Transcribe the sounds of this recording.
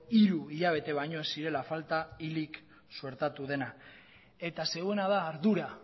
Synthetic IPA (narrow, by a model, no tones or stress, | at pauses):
iɾuiʎaβ̞e̞t̪e̞βajɲo̞esiɾe̞lafalt̪ailik | sue̞ɾt̪at̪uð̞e̞na | e̞t̪ase̞ɣue̞nað̞aːɾðuɾa